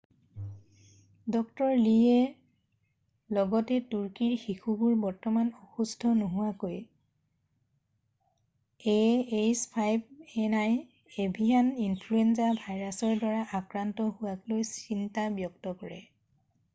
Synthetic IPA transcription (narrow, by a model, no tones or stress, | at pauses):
dɔk̚tɔɹlie | lɔɡɔtɛtuɹkiɹxixubuɹbɔɹtɔmanɔxusdʰʱɔnoɦʊwakoj | eespʰajbɛnaj | ebʱianinpʰluenzabʱajɹasɔɹdwaɹaʔakɹantɔɦʊwaklojsintabjɔk̚tɔkɔɹɛ̰